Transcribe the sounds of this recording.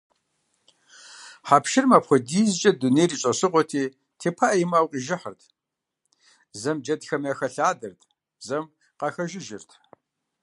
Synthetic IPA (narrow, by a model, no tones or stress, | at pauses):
ħaːpʃɪrmapχʷɔdiːzt͡ʃʼɐduneːjriːɕʼɐsɨqʷɔtʰiː | tʰeːpʰaʔjimaːwqʼiʒɪħə̰rtʰ | zɐmd͡ʒɐtxɐmjɐxɐɬaːdɐrtʰ | zɐm | qɑxɐʒɪʒɪrtʰ